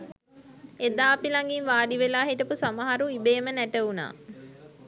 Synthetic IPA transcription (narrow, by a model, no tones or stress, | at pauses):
ed̪aːpilaŋɡinʋaːɖiʋelaːɦeʈəpusamaɦaɾuibeːmənæʈəuna̰ː